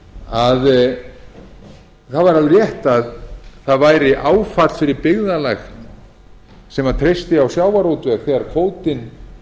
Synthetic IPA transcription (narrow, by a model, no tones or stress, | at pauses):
að | θaðvaɾalʏɾjɛht̪aðθaðvaːjɾɪʔaːwfat̪fɪɾɪɾpɪɣðalax | sɛmaðt̪ʰɾejst̪ɪawsjaːwvaɾowt̪ʏɛkθɛɣaɾkʰvoːwt̪ɪn